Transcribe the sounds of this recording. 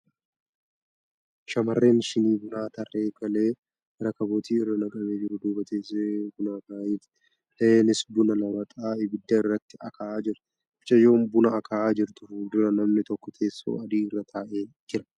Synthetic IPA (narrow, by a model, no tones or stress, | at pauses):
ʃɐmɐrːe̞ːnʃɪniːbʊnaːt̪ɐrːe̞ːkɐle̞ː | ɾɐkɐboːt̪iːɪrːɐnɐkʼɐmeːd͡ʒɪɾʊd̪ʊːbɐt̪eːsebʊnaːbaːjiːt̪ | eːnɪsbʊnɐnɐwɐt̪ʼaːɪbɪd̪ːɐɪrːɐt̪ːɪɐkʰaaːd͡ʒɪɾɐ | ɪt͡ʃʼɐjo̞ːmbʊnɐɐkʰaːaːd͡ʒɪɾt̪ʊʊd̪ʊɾɐnɐmnɪt̪ɔkːɔk̪ʰe̞ːsːo̰ːɐd̪iːɪrːɐt̪ʰaːʔeːd͡ʒɪɾɐ̥